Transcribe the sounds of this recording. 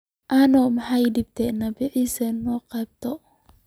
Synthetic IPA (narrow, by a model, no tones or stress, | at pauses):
ʔanɔmaħajdib̚t̪ɛnɐbiʕisɛnɔqɛb̚t̪ɔ